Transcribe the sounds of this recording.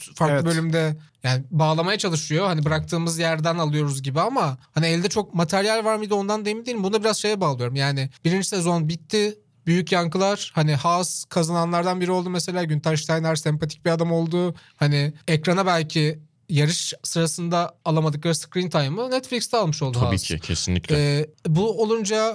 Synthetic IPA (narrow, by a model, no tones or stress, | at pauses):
faɾklˠɯbø̞lʲymd̪ɛjaːnɪbaːlˠamajat͡ʃʰalˠɯʃɯjo̞hanibɯɾak̚t̪ʰɯːmɯzjæɾd̪ænalˠɯjo̞ɾuzɟibiamahaniɛlʲd̪ɛt͡ʃʰo̞k̚mat̪ʰæɾjælʲvaɾmid̪io̞nd̪and̪ejimid̪ʲeːimbund̪abiɾaz̥ʃe̞jɛbaːlˠɯjo̞ɾumjaːnɪbiɾind͡ʒi̥sɛzo̞nbit̪ʰːɪ | byjycjaŋkɯlˠaɾ̥hanɪhaskʰazananlˠaɾd̪anbiɾio̞lˠd̪umese̞lʲaːɟynt̪ʰaʃt̪ʰajmlʲæɾsɛmpʰat̪ʰic̚biɾad̪amo̞lˠd̪ʊhanɪɛcɾanabælʲcʰi | jaɾɯʃsɯɾasɯnd̪aːlˠamad̪ɯklˠaɾɯskɾint̪ʰajmɯnɛt̪flʲicst̪ʰɛalˠmɯʃo̞lˠd̪uaḭḭcʰḛsinlʲiclɛbuo̞lˠund͡ʒa